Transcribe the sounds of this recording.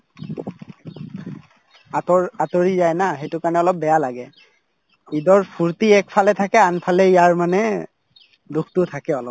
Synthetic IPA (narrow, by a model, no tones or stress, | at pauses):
atɔatoɹizajnaxejtʊkaɹnɛɔlɔp̚bɛjalaɡɛ | idɔɹpʰuɹtiɛkpʰalɛt̪ʰakɛanpʰalɛijaɹmanɛ | dukʰtʊtʰakɛɔlɔp̚